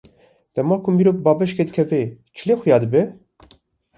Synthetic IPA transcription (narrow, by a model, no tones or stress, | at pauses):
d̪̥ɛmɑːkʰumiɾop̚bɑːbɛʃked̪ɨkʰɛve | t͡ʃʰileːxujɑːd̪ɨbɛ